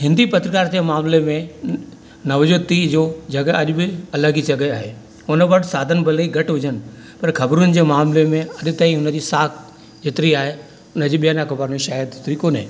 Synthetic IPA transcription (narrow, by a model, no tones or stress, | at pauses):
ɦɪ̃nd̪ipɐt̪ɾəkaːɾd͡ʑemaːmlemẽ | nɐʋd͡ʑot̪id͡ʑoːd͡ʑɐɡəɐʄʊbɪɐləɡit͡ɕɐɡəaːɦeː | ʊnə̆bɐʈsaːd̪ʱənbʱɐliɡʱɐʈʋʊd͡ʑənɪ̆ | pɐɾxɐbɾunɪ̆d͡ʑeːmaːmlemẽɐɗt̪aːĩʊnəd͡ʑiːsaːkʰ | d͡ʑɪt̪ɪɾiaːɦe | ʊnəd͡ʑiːɓijaːnakobaːɾɽĩʃaːjəd̪̚d͡ʑɪt̪ɾikoːnɦḛ̃ː